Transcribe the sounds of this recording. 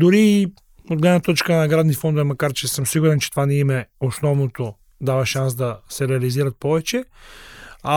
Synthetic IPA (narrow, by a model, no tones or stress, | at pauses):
d̪ʊɾi | od̪ɡlɛd̪nɐt̪ɔt͡ʃkənɐɡɾad̪nifɔnd̪ovɛmɐkaɾt͡ʃɛsəmsiɡuɾɛnt͡ʃɛ̥t̪ovanɛimɛosnɔvnot̪o | d̪avɐʃansd̪ɐsɛɾɛɐliziɾɐt̪̚pɔvɛt͡ʃɛ | a